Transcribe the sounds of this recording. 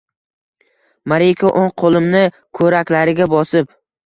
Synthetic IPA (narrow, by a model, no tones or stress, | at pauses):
maɾikʰoʔoŋqʰolˠɪmnɪ | kʰɵɾakʲlaɾɪɡʲabɒsɪp